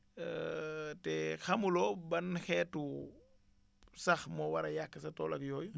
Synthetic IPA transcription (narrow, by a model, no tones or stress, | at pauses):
tɛxɐmulɔbɐnxɛːtu | sɐxmɔwɐɾɐjakːəsɐtɔːlɐkjɔːj